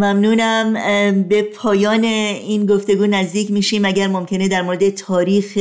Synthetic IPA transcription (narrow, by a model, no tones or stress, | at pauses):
mæmnuːnæmbe̞pʰɒːjɒːne̞iːnɡo̞ft̪e̞ɡuːnæzd̪iːcmiːʃiːmæɟæɾmo̞mcʰe̞ne̞d̪æɾmoɾe̞d̪e̞t̪ʰɒːɾiːx